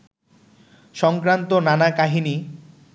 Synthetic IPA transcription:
ʃɔŋkɾant̪onanakaɦini

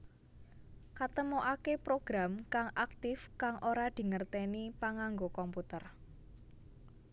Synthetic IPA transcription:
kat̪əmoʔakepɾoɡ̥ɾamkaŋʔak̚t̪ɪfkaŋʔoɾad̪̥i̤ŋərt̪ɛnipaŋaŋɡokɔmput̪ər

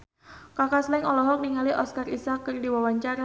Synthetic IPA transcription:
kakaslɛŋɔlɔɦɔk̚niŋaliʔɔskarisakːərdiwawaɲt͡ʃaɾa

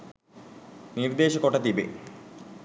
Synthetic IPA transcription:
nird̪eːɕɐkoʈːɐt̪ibḛ

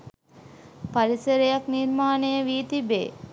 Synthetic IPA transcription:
paɾisəɾejaknirmaːnejəʋiːt̪ibḛː

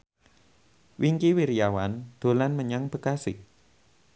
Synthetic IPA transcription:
wʔiŋkiwiɾijawand̪̥o̤lanməɲaŋb̥ə̤kasi

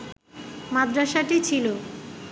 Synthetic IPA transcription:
mad̪ɾaʃaʈit͡ɕʰilo

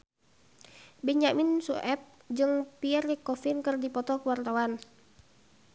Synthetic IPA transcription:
bɛɲaminsuʔɛp̚ | d͡ʒɨŋpiɛrikɔfinkɨrdipɔt̪ɔkəwart̪awan

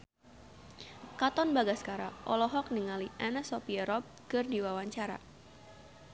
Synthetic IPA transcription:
kat̪ɔnbaɡaskaɾa̰ʔɔlɔɦɔk̚niŋaliʔɛnɛsɔpiɛɾɔp̚kɨrdiwawaɲt͡ʃaɾa̰

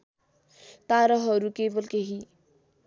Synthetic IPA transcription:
t̪aɾʌɦʌɾukebʌlkeɦi

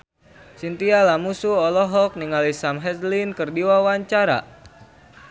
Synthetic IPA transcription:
sint̪ialamusuɔlɔɦɔk̚niŋalisamɦɛslinkərdiwawaɲt͡ʃaɾa̰

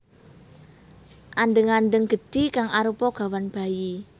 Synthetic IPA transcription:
ʔanɖəŋanɖəŋɡ̥ə̤d̥ikaŋʔaɾupɔɡ̥a̤wanb̥a̤ji

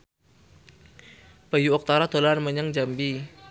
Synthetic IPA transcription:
pəjuɔk̚t̪aɾat̪olarməɲaŋd͡ʒambi

